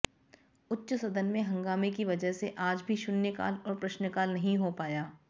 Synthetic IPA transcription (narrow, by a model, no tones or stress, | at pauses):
ʊtːʃsɐd̪ənmẽɦɐ̃ŋɡaːmekiʋɐd͡ʒəɦseʔaːd͡ʒbʱiʃʊnjəka̰ːlɔːɾpɾɐʃnəkaːlnɐɦĩɦopaːjaː